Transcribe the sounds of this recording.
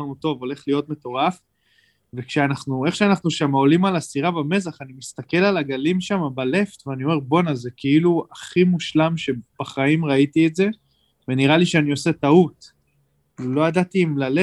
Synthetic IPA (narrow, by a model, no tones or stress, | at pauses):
anut̪o̞vo̞le̞χlijo̞t̪me̞t̪o̞ʁaf | ve̞kʃeanaχnue̞χʃeanaχnuʃamao̞limalasiʁabame̞zaχanimist̪ake̞lalaɡalimʃamabale̞ft̪veanio̞me̞ʁbo̞nazekʰeiluaχimuʃlamʃe̞b̥aχaimʁait̪ietze̞ | veniʁaliʃeanio̞se̞t̪aut̪ | lo̞jad̪at̪iːmlale